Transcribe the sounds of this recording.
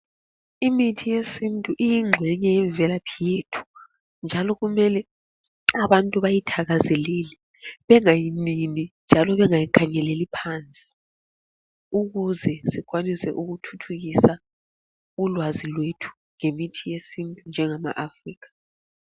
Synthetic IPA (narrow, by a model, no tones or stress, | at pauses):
imitʰijesintʼuʔijiŋ͡ǁʱwɛɲɛjɛɱvɛlapʰijetʰu̥ | nd͡ʒʱalɔɣumɛlɛ | aβantʼuβajitʰaɣazɛleli | βɛŋajininind͡ʒʱalɔβɛŋajikʰaɲɛlɛlipʰant͡sʼi̥ | uɣuzɛsiɣwanisɛ̰ʔuɣutʰutʰuɣisa | ulwazilwetʰu̥ | ŋemitʰijesintʼund͡ʒʱɛŋama̰ʔafriːɣḁ